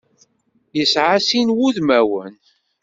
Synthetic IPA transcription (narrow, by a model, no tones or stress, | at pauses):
jəsʕasinwuðmæwən